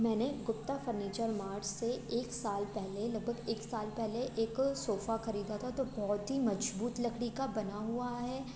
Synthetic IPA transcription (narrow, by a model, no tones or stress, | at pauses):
mɛ̃ːneɡʊpt̪afəɾniːt͡ʃəɾmaːɾd͡ʒseeːksaːlpɛɦlelɐɡ̚bʱɐɡeːksaːlpɛɦleʔeːksoːfaxɐɾiːd̪at̪ʰat̪obɔɦʊt̪ɦimɐd͡ʒbuːt̪lɐkɽikabɐnaɦuaɦɛː